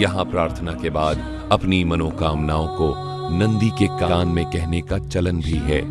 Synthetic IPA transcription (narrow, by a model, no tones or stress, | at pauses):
jɐɦãpɾaːɾt̪ʰənakebaːd̪ | ɐpnimɐnoːkaːmnaːõko | nɐ̃nd̪ikekaaːnmẽkɛɦnekat͡ʃɐlənbʱiɦɛː